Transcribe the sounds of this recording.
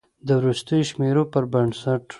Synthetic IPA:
d̪əwɾust̪əjoʃmeɾopəɾbaɳsaʈ

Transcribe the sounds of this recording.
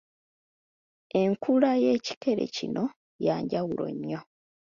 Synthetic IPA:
e̞ŋkulajeːci̥ke̞ɾe̞̰cino̞ | jaːɲɟawulo̞̰ɲːo̞

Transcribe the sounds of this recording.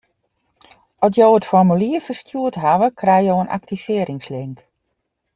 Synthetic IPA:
ɔt̬joːətfɔrmyliəfərstjuətɦaʋəkʰrɛjjoənʔa̰ktifɪəɾɪŋslɪŋk

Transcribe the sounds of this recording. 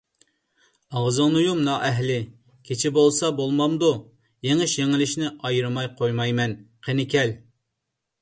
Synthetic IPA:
ɑʁzɑŋnujumnɑʔɛɦlɪ | kʲʰet͡ʃʰɪbolˠsɑbolˠmɑmd̪u | jeŋɪʃjeŋɪlɪʃnɪʔɑjɨɾɨmɑjqʰojmɑjmɛnqʰenɪkʲʰɛl

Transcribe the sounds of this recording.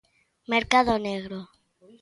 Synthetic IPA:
meɾkaðoneɣɾo

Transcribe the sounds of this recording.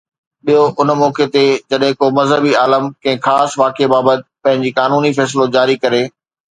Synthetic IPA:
ɓiɦoʔʊnmɔːket̪ed͡ʑɐɗɦɪ̃komɐzɦəbiaːləmkɐ̃ɦɪ̃xaːsʋaːkebaːbət̪̚ɪpɐ̃ɦɪ̃ɲd͡ʑiːkaːnuːnifɛːs̬lod͡ʑaːɾikɐɾeː

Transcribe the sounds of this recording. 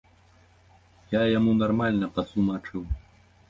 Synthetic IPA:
jajamunarmalʲnɐpɐsˠumat͡ʂɨw

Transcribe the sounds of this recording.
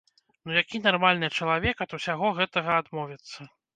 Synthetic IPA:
nujakʲinarmalʲnɨt͡ʂɐlˠavʲɛkɐt̪usʲaɣɔɣɛt̪ɐɣɐːd̪mɔvʲit̪sːɐ

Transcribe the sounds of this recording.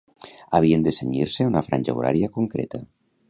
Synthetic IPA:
aβ̞iend̪eseɲiɾseunafɾanʲʒa̰ṵɾa̰ɾjakuŋkɾḛt̪a

